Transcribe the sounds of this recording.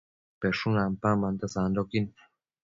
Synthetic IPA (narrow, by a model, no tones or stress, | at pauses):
peʂunampamãnt̪asand̪okin